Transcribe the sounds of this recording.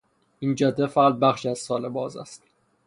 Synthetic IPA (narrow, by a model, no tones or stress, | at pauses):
ʔind͡ʒæd̪ːefæɣad̪̚bæχʃiæzsɒːlebɒːzæ̰st̪